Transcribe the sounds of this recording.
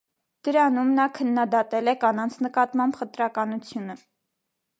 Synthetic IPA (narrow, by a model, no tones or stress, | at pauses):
d̪̥əɾɑnumnɑkʰənːɑd̪ɑt̪ɛlɛkɑnɑnt͡sʰnəkɑt̪mɑmbχət̪ɾɑkɑnut͡sʰjunə